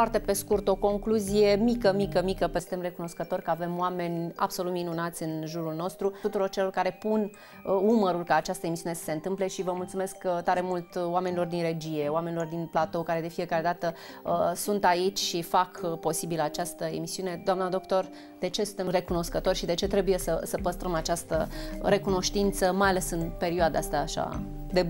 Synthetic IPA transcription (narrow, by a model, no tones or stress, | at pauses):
fwart̪e̞pe̞skurt̪o̞ko̞ŋkluzije̞mikəmikəmikəpesɨnt̪emre̞kuno̞skət̪o̞rʲkəave̞mwame̞nʲa̰b̥so̞lut̪minunat̪sʲɨnʒuɾulno̞st̪ɾuut̪uɾo̞rt͡ʃelo̞rkaɾe̞pun | uməɾulkaːt͡ʃast̪əe̞misiune̞sə̥se̞nt̪ɨmple̞ʃivəmult̪sume̞skt̪aɾe̞mult̪wame̞nilo̞rd̪inre̞d͡ʒije̞wame̞nilo̞rd̪inplat̪o̞kaɾe̞d̪efije̞kaɾe̞d̪at̪ə | əsunt̪ait͡ʃʲʃifakpo̞sibilat͡ʃast̪əe̞̰misiune̞d̪oamnad̪o̞kt̪o̞r | d̪e̞t͡ʃesunt̪ere̞kuno̞skət̪o̞rʲʃid̪e̞t͡ʃe̞t̪ɾe̞buje̞səsəpəst̪ɾəmat͡ʃast̪əɾe̞kuno̞ʃt̪int̪səmajale̞sɨnpe̞ɾioad̪aast̪aːʃa̰ | d̪e